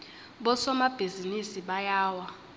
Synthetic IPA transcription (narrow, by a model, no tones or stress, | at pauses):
ɓɔsɔmab̥ʱizinisiɓajaːwa